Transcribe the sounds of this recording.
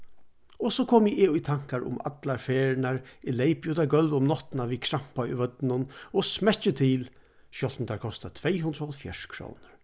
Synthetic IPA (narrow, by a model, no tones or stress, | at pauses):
ɔsɔːkʰoːmɪʔɪʊjt̪ʰaŋ̥kaɾʊ̰ma̰t̪laɹfɛːɹɪnaɹɪlejpjʊt̪aɡœlʋʊmnɔht̪ɪnaʋikʰɾam̥paʊ̰ʋœt̪nʊnɔsmɛt͡ʃɪt̪ʰiːl | ʃɔlt̪nt̪ʰaɹkʰɔst̪at̪ʰvejɦʊnd̪ɾɔlfja̰ʂkʰɾo̰wnʊɹ